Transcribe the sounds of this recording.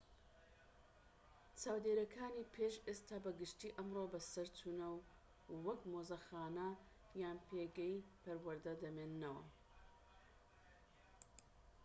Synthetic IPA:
t͡ʃʰaːwd̪eːɾɐkʰaːniːpʰeːʃeːst̪ʰaːbɐɡɨʃt̪iːʔɐmrobɐsɐɾtʰuːnɐwː | ɐkmoːzɐxaːnɐ | jaːnpʰeːɡɛjpɐɾwɐɾd̪ɐd̪ɐmeːnːɐwɐ̰

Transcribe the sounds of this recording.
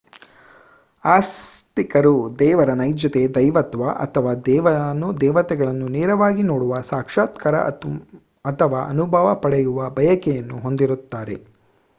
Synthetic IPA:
aːst̪ikɐɾud̪ɛːʋɐɾɐnɐjd͡ʒjɐt̪ed̪ɐjʋɐt̪ʋaʔɐ̰t̪ʰɐʋaːd̪ɛːʋɐnːud̪ɛːʋɐt̪ɛɡɐɭɐnːunɛːɾɐʋaːɡinoːɽuʋɐsaːkʂaːt̪kɐɾɐ̰ | ɐt̪ʰɐʋaːʔɐnubʱaːʋɐpɐɽɛjuʋɐbʱɐjɐkɛjɐnːuɦo̞nd̪iɾut̪ːaːɾe̞̰

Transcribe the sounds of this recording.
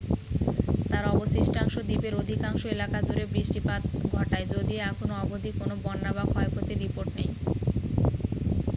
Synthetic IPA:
t̪aɾɔbosisʈaŋʃod̪ipeɾod̪ʱikaŋʃoelakad͡ʑoɾebɾiʃʈipat̪ɡʱɔʈaed͡ʑod̪ieɛkʰonoɔbod̪ʱikonobɔnːabakʰɔekʰot̪eɾipoɾʈnej

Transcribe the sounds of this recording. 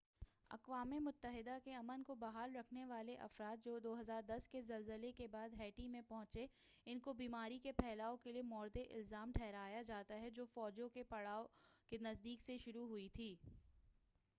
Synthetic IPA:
ɐ̰qʋaːmemʊt̪ːəɦɪd̪akeɐmənkobɐɦaːlɾɐkʰneʋaːleʔɐ̰fɾaːt̪̚d͡ʒoːd̪oːɦɐzaːɾd̪ɐskezɐlzəlekebaːd̪ɦɛːʈimẽpɐɦʊ̃t͡ʃe | ɪnkobiːmaːɾikepʰɛːlaːõkeliemɔːɾd̪eʔɪ̰lzaːmʈʰɛːɦɾaːjad͡ʒaːt̪aɦɛd͡ʒoːfɔːd͡ʒõkepɐɽaːokenɐzd̪iːkseʃʊɾuɦʊit̪ʰiː

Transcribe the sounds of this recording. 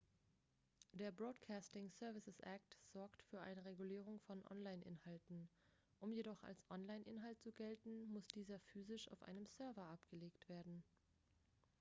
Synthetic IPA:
d̥eːɐbʁoːtkʰaːstɪŋsœɐvɪsəsʔak̚tz̥ɔɐktfyːɐʔa̰ɪnəʁ̞eɡuliːʁ̞ʊŋfɔnʔɔ̰nlaɪnʔɪ̰nhaltn̩ʔʊmjedɔχa̰lsʔɔnlaɪnʔɪnɦaltt͡suɡɛltn̩mʊsd̥iːzɐfyːzɪʃa̰ʊfʔa̰ɪnəmsœɐvɐʔapɡ̥əleːktv̥eːɐdn̩

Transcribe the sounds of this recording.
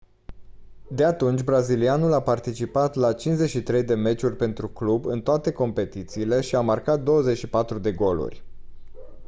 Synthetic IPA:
d̪e̞at̪unt͡ʃʲbɾazilianulapart̪it͡ʃipat̪lat͡ʃinzeʃit̪ɾe̞jd̪e̞me̞t͡ʃurʲpe̞nt̪ɾuklubɨnt̪oat̪e̞ko̞mpe̞t̪it̪siːle̞ʃiamarkat̪̚d̪o̞wəzet͡ʃʃipat̪ɾud̪e̞ɡo̞lṵrʲ

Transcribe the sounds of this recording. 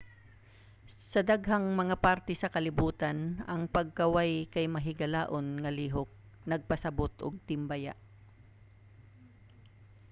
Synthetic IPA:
sɐd̪aɡɦɐŋmɐŋapaɾt̪ɛsɐkɐlɪbuːt̪ɐnɐŋpɐɡ̚kɐwajkɐjmɐɦɪɡɐlaːʔonŋɐliːɦok̚ | nɐɡ̚pɐsɐbot̪ʔoɡ̚t̪ɪmbaja̰ʔ

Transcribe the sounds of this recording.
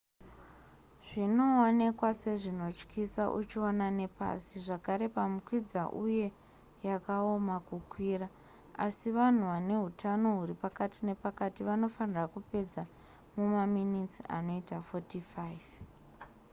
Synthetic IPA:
ʐ̥ino̞one̞kwase̞ʐino̞t͡ʃkʰisaʔṵt͡ʃionane̞pa̰siʐakaɾe̞pamukwid͡zaʔuje̞ | jakao̞makukwira | asiʋan̤uʋane̞ɦutʰano̞ɦuɾipakatine̞pakatiʋano̞fanirakupe̞d͡za | mumaminit͡sia̰no̞itafo̞tifaiv

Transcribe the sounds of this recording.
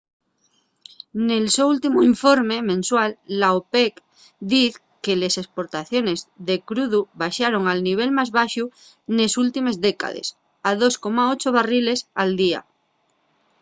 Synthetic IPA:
ne̞lsoult̪imoiɱfo̞ɾme̞mẽ̞nswalːaopek | d̪iθ | kele̞se̞spo̞ɾt̪aθjo̞ne̞zðe̞kɾuðuβaʃaɾo̞ŋalniβ̞e̞lmazβaʃu | ne̞sult̪ime̞zðeka̰ðḛs | að̞o̞sko̞maot͡ʃoβ̞arile̞sald̪ia̰

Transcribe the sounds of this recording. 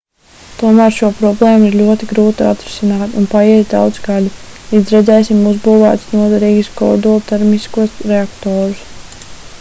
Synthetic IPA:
t̪uɔmæːɾʃuɔpɾɔblˠeːmiɾlʲuɔt̪iɡɾuːt̪iat̪ɾi̥sinaːt̪unpajɛd̪a̰wd̪zɡalʲiizɾɛd̪zɛːsimuzbuːva̰ːt̪snuɔd̪ɛɾiːɡiskɔ̰d̪ulˠt̪ɛɾmiskuɔsɾeakt̪ɔːɾus

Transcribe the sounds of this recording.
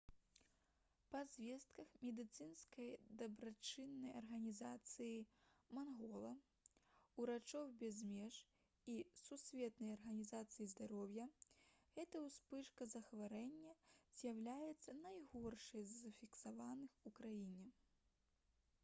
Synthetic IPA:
pɐzʲvʲɛst̪̚kɐxmʲɛd̪ɨt̪sɨnskɐjd̪ɐbɾat͡ʂɨnːɐjɐrɣɐnʲizat̪sɨjimanɣɔlˠɐ | uɾat͡ʂɔwbʲɛzmʲɛʐ | isusʲvʲɛt̪nɐjɐrɣɐnʲizat̪sɨjizd̪aɾɔwjɐɣɛt̪ɐwspɨʂkɐzɐxvaɾɛnʲːɐz̥ʲjawlʲajɛt̪sːɐnajɣɔrʂɐjzɐfʲiksavanɨxukɾajinʲɛ

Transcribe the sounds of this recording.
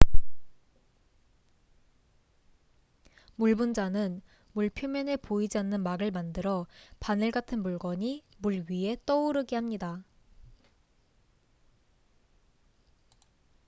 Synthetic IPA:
muɭbund͡ʑanɯn | muɭpʰjomjʌne̞poid͡ʑianːɯnmaɾɯɭmandɯɾʌpanɯɭɡatʰɯnmuɭɡʌɲi | muɭɥie̞t͈ʌuɾɯɡehamɲida

